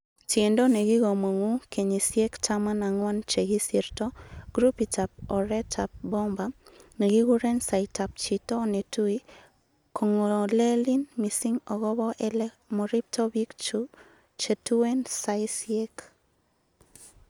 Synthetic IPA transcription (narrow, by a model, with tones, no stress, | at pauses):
te˨ndo˦ne˨ɡɪ˦ɣo˨mo˨ŋu˦ke˨ɲi˨sje˦ktama˦na˨ŋwa˦nt͡ʃe˨ɡi˦siɾtɔ˦ɡ̥ɾu˦pi˨ta˨p̚ɔ˨ɾɛ˦tʰa˨p̚bɔ˦mba˦ne˨ɡi˦ɡu˦ɾɛ˦nsa˨ɪta˨p̚t͡ʃi˨tɔ˦ne˨tu˦i˦ | kʰo˨ŋo˨lɛ˦li˦nmi˨si˦ŋɔ˨ɣɔ˦bɔ˦ʔɛlɛ | mɔ˨ɾi˦p̚tɔ˦bi˦kt͡ʃu | t͡ʃe˨tu˦wɛ˦nsaɪsjek